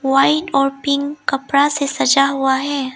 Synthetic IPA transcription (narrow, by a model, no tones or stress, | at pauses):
waːɪɖɔːɾpɪ̃ŋɡkɐpɾasesɐd͡ʒaɦuaɦɛː